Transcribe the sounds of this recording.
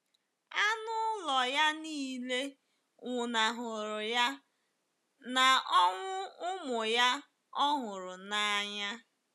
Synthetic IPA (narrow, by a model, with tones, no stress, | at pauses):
a˦nʊ˦lɔ˨ja˦niː˦le˦ | ŋʊ˨na˨ɦʊ˨ɾʊ˨ja˦ | na˨ɔ˦ŋʷʊ˦ʊ˦mʊ˨ja˦ | ɔ˦ɦʊ˨ɾʊ˨na˨˦ɲa˦